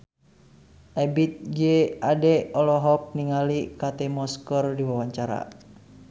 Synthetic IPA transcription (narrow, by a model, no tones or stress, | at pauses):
ʔɛbit̪̚d͡ʒeadɛɔlɔɦɔk̚niŋalikat̪ɛmɔskərdiwawaɲt͡ʃaɾa̰